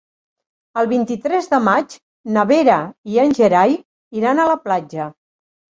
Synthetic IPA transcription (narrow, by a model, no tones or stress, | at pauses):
əlˠβint̪it̪ɾɛzðəmad͡ʒ | nəβeɾəiənʲʒəɾaj | iɾanələplad͡ʒə